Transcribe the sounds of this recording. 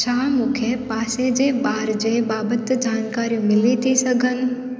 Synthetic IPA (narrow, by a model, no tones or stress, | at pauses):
t͡ɕʰaːmũːkʰepaːsed͡ʑebaːɾd͡ʑebaːbət̪d͡ʑaːnkaːɾijũmɪlit̪ʰisɐɡʱən̆